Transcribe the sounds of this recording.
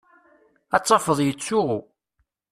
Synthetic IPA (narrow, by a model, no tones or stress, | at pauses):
æt͡sˤːɑfəðˤjət͡sːʊʁu